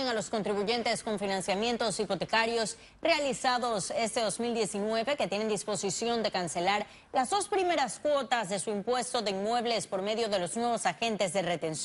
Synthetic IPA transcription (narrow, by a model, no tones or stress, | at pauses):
eŋalo̞sko̞nt̪ɾiβuʝe̞nt̪e̞skoɱfinãnsjamje̞nt̪o̞sipo̞t̪e̞kaɾjo̞s | re̞alisaðo̞se̞st̪e̞ðo̞zmild̪je̞sinwe̞βe̞ket̪je̞ne̞nd̪ispo̞sisjo̞nd̪e̞kanse̞laɾ | lazðo̞spɾime̞ɾaskwo̞t̪azðe̞suimpwe̞st̪o̞ðe̞inmwe̞βle̞spo̞ɾme̞ðjo̞ðe̞lo̞znwe̞β̞o̞saxe̞nt̪e̞zðe̞re̞t̪e̞ns